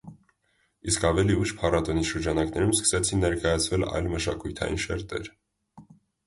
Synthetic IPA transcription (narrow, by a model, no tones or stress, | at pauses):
iskɑvɛliuʃpʰɑɾɑt̪ɔniʃəɾd͡ʒɑnɑknɛɾumskə̥sɛt͡sʰinːɛɾkɑjɑt͡sʰvɛlɑ̰jlməʃɑkujt̪ʰɑ̰jḭnʃɛ̰ɾt̪ɛ̰ɾ